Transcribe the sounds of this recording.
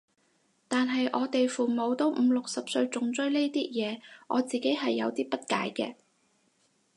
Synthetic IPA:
t̪aː˨nɦɐ˨jʔɔː˨˧t̪e˨jfuː˨mo˨˧wt̪o˨˥wm̩˨˧lʊ˨k̚sɐ˨p̚sɵ˧ɥt͡sʊ˨ŋt͡sɵ˥ɥle˥jt̪iː˥jɛː˨˧ʔɔː˨˧t͡siː˨ke˨˥jɦɐ˨jːɐ̰˨˧wt̪iː˥pɐ˥t̚ka̰ː˨˥jkɛ̰ː˧

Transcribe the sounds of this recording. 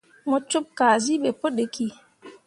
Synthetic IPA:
mɔ˨t͡ʃu˦p̚kaː˨zi˦ɓe˨po˦ɗe˨ki˦˨

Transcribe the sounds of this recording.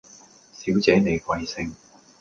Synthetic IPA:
siː˨˥wt͡sɛː˨˥ne˨˧jkʷɐ˨˧jsɪ˧ŋ

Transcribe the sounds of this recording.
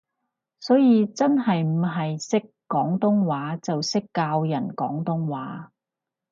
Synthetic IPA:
sɔː˨˥jiː˨˧t͡sɐ˥nɦɐ˨jm̩˨˩ɦɐ˨jsɪ˥kːɔː˨˥ŋt̪ʊ˥ŋwaː˨˥t͡sɐ˨wsɪ˥kːaː˧wjɐ˨˩nkɔː˨˥ŋt̪ʊ˥ŋwaː˨˥

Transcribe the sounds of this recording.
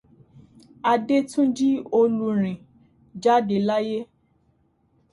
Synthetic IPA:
a˧de˦tũ˦d͡ʒi˦o˧lu˧ɾ̃ĩ˨ | d͡ʒa˦de˧la˦je˦

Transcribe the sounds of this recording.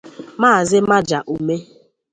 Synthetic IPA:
maː˦˨zɪ˦ma˦d͡ʒa˨ʔu˨me˦

